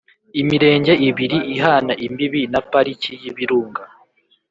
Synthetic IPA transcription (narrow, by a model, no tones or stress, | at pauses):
imiɾe̞ːɲɟe̞iβiɾiʔiɦanaʔimbiβinapaɾicijiβiɾuːŋɡa